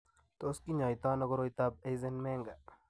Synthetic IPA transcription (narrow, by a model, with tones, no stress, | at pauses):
t̪oski˦ɲa˨jt̪a˦nɔɡo˦ɾojt̪ab̚e˦jzenme˦ŋɡa˨